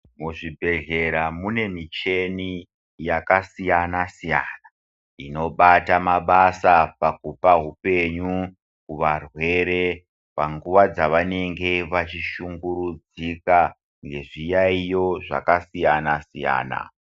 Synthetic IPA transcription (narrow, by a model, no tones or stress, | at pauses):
muʐibʱe̞ɮe̞ɾamune̞mit͡ʃe̞ni | jakasijanasijana | ino̞ɓatamaɓasapakupaɦupe̞ɲu | kuʋarwe̞ɾe̞ | paŋɡuʋad͡zaʋane̞ŋɡe̞ʋat͡ʃiʃuŋɡuɾud͡zika | ŋɡe̞ʐijaijo̞ʐa̰kasijanasija̰ːna̰